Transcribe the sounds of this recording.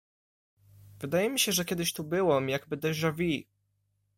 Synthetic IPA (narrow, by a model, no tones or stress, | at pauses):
vɘd̪ajɛmʲiɕɛʐɛkʲɛd̪ɘɕt̪ubɘwɔmjaɡbɘd̪ɛʑʐavʲi